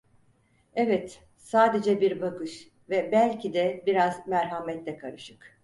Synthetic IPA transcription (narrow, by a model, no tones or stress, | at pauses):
evɛt̪ | saːd̪e̞d͡ʒɛbiɾbakɯʃ | vɛbælʲcʰid̪ɛbiɾazmæɾɦamɛt̪lʲɛkʰaɾɯʃɯk